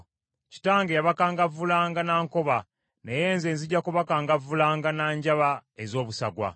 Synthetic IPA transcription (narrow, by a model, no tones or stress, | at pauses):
ci̥taːŋɡejaβakaːŋɡavulaːŋɡanaːŋko̞βa | nejeːnze̞ːnziɟːakuβakaːŋɡavulaːŋɡanaːɲɟaβaezo̞ːβusaɡwa̰